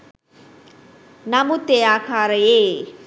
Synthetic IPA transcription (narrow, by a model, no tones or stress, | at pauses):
namut̪eakʰaɾəje